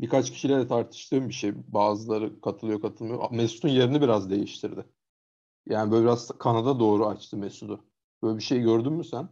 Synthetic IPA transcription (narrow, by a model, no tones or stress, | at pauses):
bikat͡ʃcʰi̥ʃilʲɛd̪ɛt̪ʰaɾt̪ʰɯ̥ʃt̪ʰɯːmbiʃejbaːzɯlˠaɾɯkʰat̪ʰɯlˠɯjo̞kʰat̪ʰɯlˠmajo̰mɛsu̥t̪unje̞ɾinibiɾazd̪e̞jiʃt̪ʰiɾd̪ɪ | jaːnibølʲbiɾazkʰanad̪ad̪o̞ːɾuat͡ʃt̪ʰɯmɛsud̪ʊ | b̥øːlʲɛbiʃe̞jɟøɾd̪ynmysæn